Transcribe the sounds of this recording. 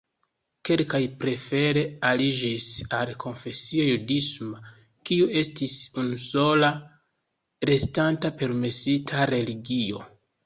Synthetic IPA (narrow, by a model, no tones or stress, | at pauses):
ke̞lkajpɾe̞fe̞ɾe̞alid͡ʒisalkʰo̞nfe̞siajudisma | kiue̞stisunuso̞la | ɾe̞stantape̞ɾme̞sitʰaɾe̞liɡio̞̰